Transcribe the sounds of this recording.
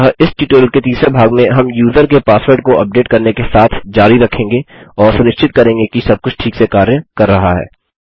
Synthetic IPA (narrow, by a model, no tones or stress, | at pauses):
ɦəʔɪsʈiʈəːlket̪iːsɾebʱaːɡmẽɦɐmjuːzəɾkepaːswəɾɖ̚koʔɐp̚ɖeːʈkɐɾnekesaːt̪ʰd͡ʒaːɾiɾɐkʰːẽːŋɡeɔːɾsʊnɪʃt͡ʃɪt̪̚kɐɾẽːŋɡekisɐb̚kʊt͡ʃʰʈʰiːksekaːɾjəkɐɾːɐɦaɦɛ̰ː